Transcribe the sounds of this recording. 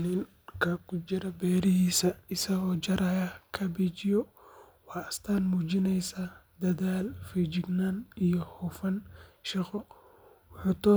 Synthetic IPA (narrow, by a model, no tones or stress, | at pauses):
nɪn | kʰɐkʰʊt͡ʃɪɾɐbɛːɾɪɦiːsɐɪsɐɣɔːt͡ʃɐɾɐjɐkʰɐbit͡ʃɪjɔ | wɑːɐst̪ʰaːnmuːt͡ʃɪnɛjsad̪ɐðaːlfid͡ʒɪɡnaːnijɔhɔːfɐnʃɪqɔ | wʊħuːt̪ʰɔː